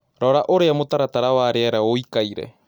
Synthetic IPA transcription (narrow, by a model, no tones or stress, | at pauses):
ɾɔːɾaʔoɾeamot̪aɾat̪aɾawaɾeɛɾaoikaiɾɛ̰